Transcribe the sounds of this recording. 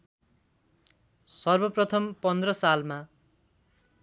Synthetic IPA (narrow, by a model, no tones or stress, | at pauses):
sʌrbʌprʌt̪ʰʌmpʌnd̪rʌsalma